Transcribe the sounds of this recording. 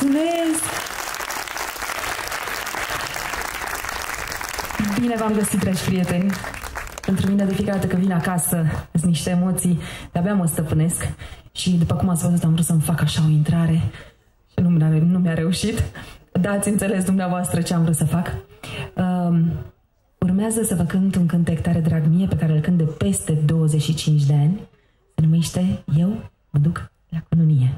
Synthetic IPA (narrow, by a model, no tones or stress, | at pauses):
suves | bine̞vamɡəsit̪ːɾed͡ʒʲpɾije̞t̪e̞nʲ | pent̪ɾumine̞d̪e̞fijekaɾd̪at̪əkəvinakasəsniʃt̪eemo̞t̪sijd̪̥eabaməst̪əpɨne̞skʃid̪upəkumat̪sʲbəzut̪amvɾut̪səməfakaʃao̞int̪ɾaɾe̞ | ʃinumanumjaɾe̞uʃit̪d̪at̪sʲɨnt̪se̞le̞s̬d̪umneavoast̪ɾət͡ʃe̞amvɾut̪səfak | ə | urmeazəsəvəkɨnt̪ɨŋkɨnt̪ekt̪aɾed̪ɾaɡmije̞pe̞kaɾeːlkɨnt̪d̪epe̞st̪e̞d̪o̞wəzet͡ʃʃit͡ʃint͡ʃd̪e̞anʲ | sənume̞ʃt̪e̞je̞w | məd̪uk | lakununije̞